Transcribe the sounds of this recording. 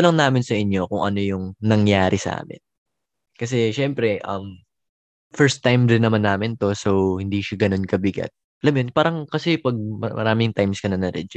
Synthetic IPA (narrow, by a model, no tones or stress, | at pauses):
lɐŋnaːmɪnsɐʔɪɲjo̞kʊŋʔɐno̞jʊŋnɐŋjaːɾʔɪsɐ̰ʔa̰ːmɪ̰n | kɐs̬ɛʃɛmpɾɛʔɐm | fɛɹst̪ːajmdɪnːɐmanːaːmɪnt̪o̞sowhɪnd̪iːʃaɡɐno̞nkɐbɪɡɐ̰t̪̚ʔɐlɐmjonpaːɾɐŋkɐsɛpɐɡ̚mɐmɐ̰ɾaːmɪŋt̪ajmskɐnɐnɐɾɛd͡ʒɪ